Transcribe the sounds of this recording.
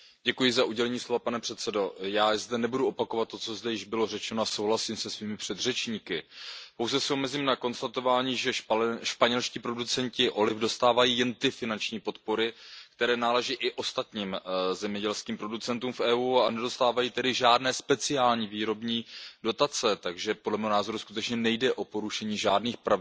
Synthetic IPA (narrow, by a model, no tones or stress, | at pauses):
ɟɛkujɪzaʔuɟɛlɛɲiːslo̞vapanɛpr̥ɛt̪t͡sɛdo̞jaːzdɛnɛbuduopako̞vat̪ːo̞t͡so̞zdɛjɪʒbɪlo̞rɛt͡ʃɛnoaso̞wɦlasiːmsɛsviːmɪpr̝̥ɛd̪r̝ɛt͡ʃɲiːkɪpowzɛsɪo̞mɛziːmnako̞nst̪at̪o̞vaːɲiːʒɛʃpaɲɛlʃciːpɾo̞dut͡sɛɲcɪʔo̞lɪfdo̞st̪aːvajiːjɛnt̪ɪfɪnant͡ʃɲiːpo̞t̪po̞ɾɪkt̪ɛɾɛːnaːlɛʒiːʔɪʔo̞st̪at̪ɲiːmzɛmɲɛɟɛlskiːmpɾo̞dut͡sɛnt̪uːmfʔɛːʔuːanɛdo̞st̪aːvajiːt̪ɛdɪʒaːdnɛːspɛt͡sɪaːlɲiːviːɾo̞bɲiːdo̞t̪at͡sɛt̪aɡʒɛpodlɛmɛːɦonaːzo̞ɾuskut̪ɛt͡ʃɲɛnɛjdɛʔo̞po̞ɾuʃɛɲiːʒaːdniːxpɾav